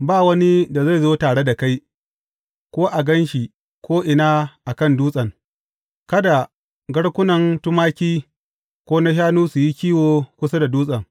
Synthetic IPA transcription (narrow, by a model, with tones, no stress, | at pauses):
baː˦˨wɐ˦ni˦da˨za˦˨jzoː˦taː˨ɽe˦da˨ka˦j | kʷoː˦ʔa˨ɡɐ˦nʃi˨ | kʰʷoː˦ʔɪ˨naː˦ʔa˨kɐ˦˨nduː˦sʼɐ˨ŋ | kɐ˦da˨ | ɡɐ˦ɽkʷʊ˦nɐ˨ŋtʊ˦maː˦kʲiː˦ | kʷoː˦na˦ʃ̬aː˦nuː˦su˨ji˦kʲiː˦woː˨kʷʊ˦s̬a˦da˨duː˦sʼɐ˨ŋ